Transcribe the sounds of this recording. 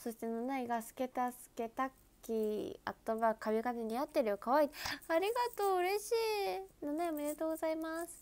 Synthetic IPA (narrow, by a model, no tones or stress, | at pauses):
so̞ɕi̥t̪enonaiɡasɨ̥ke̞t̪asɨ̥ke̞t̪akʲːia̰t̪ːoβakaβʲiɡaneɲ̟iat̪ːeɾɯ̟jokaβait̪eaɾʲiɡat̪o̞ːɯɾe̞ɕiːnonaiomeɾet̪o̞ːɡozaimasɨ̥